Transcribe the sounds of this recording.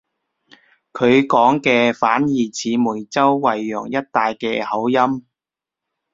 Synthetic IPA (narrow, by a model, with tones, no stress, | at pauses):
kʰɵ˨˧ɥkɔː˨˥ŋkɛː˧faː˨˥njiː˨˩t͡sʰiː˨˧muː˨˩jt͡sɐ˥wːɐ˨jːɔː˨˩ŋjɐ˥t̚t̪aː˨jkɛː˧hɐ˨˥wjɐ˥m